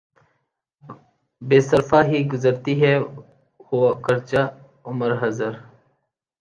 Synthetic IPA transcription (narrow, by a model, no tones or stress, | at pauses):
beːsəɾfaːɦiːɡʊzəɾt̪iːɦɛː | hoakəɾt͡ʃa | ʊməɾɦəzəɾ